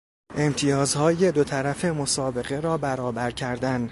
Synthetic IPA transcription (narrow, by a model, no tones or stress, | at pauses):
ʔe̞mt̪ʰijɒːzhɒːje̞d̪o̞t̪ʰæɾæfe̞mo̞sɒːbe̞ɣe̞ɾɒːbæɾɒːbæɾcʰæɾd̪æn